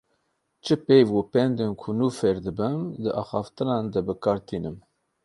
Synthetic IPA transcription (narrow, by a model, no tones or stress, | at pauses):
t͡ʃʰɨpejvwupɛnd̪enkʰunufɛɾd̪ɨbɨmd̪ɨʔɑːxɑːft̪ɨnɑːnd̪ɛbɨkʰɑːɾt̪ʰiːnɨm